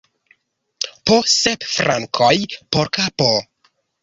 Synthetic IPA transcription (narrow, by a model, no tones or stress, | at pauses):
pʰosepfɾʔaŋkʰojpʰoɾkʰapo